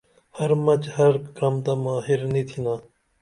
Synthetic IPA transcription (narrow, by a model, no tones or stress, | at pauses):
hɐɾmɐt͡ʃhɐɾkɾɐmt̪aːmaːɦiɾnit̪ʰinaː